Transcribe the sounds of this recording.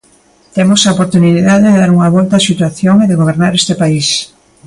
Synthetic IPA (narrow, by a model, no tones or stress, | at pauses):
t̪emosaopoɾt̪uniiðaðeðeðaɾuŋɐβɔlt̪aːsit̪waθjoŋeðeɣoβ̞eɾnaɾest̪epais